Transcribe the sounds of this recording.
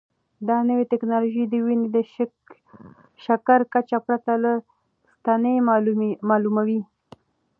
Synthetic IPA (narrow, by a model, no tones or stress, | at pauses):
d̪ɑnəwet̪ɪknɑloʒed̪əwined̪ə | ʃakaɾkat͡ʃapɾat̪ala | st̪ɑnəmmɑlumawi